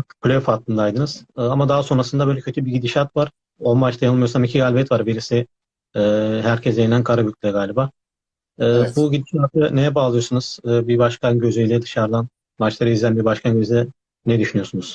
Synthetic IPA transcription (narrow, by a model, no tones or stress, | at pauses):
plʲeofat̪ʰːɯnd̪aːjd̪ɯnɯz̥ɯːamad̪aɦaso̞nɾasɯnd̪abø̞jlʲɛcʰøt̪ʰybiɟid̪iʃat̪vaɾ̥ | o̞nmat͡ʃt̪ʰajanɯmajosamicʰiɡalʲbɛt̪vaɾbiɾisiː | ɦæɾcʰɛsd̪eninænkʰaɾabycʲlʲɛɡaːlʲibaː | ɯːbuɟid̪iʃat̪ʰɯnejabaalˠɯjosunuz̥ɯːbibaʃkʰanɟøzejlʲɛd̪ɯʃaɾd̪an | mat͡ʃlˠaɾɯizlʲænbiɾbaʃkʰanɟøzid̪ɛ | nɛd̪yʃynyjo̞sunuz̥